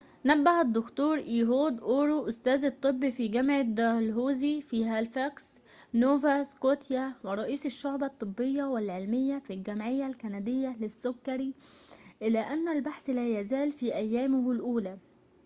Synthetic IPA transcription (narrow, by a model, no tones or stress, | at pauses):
næbːahæd̪ːʊkt̪uːɾˤʔiːɦoːd̪ʔoːɾuʔʊst̪æːzɑt̪ˤːɨbːifiːɡamʕad̪ɑlɦuːzifihæːlfæks | noːvaskoːt̪jawɪɾˤɑʔiːsɪʃːʊʕbɑt̪ˤːɨbːɪjːawɪlʕelmɪjːæfilɡæmʕɪjːalkænæd̪ɪjːalɪsːʊkːɑɾiʔɪlæʔænːælbaħslæːjæzæːlfiːʔæjːæːmʊhlʔuːlæ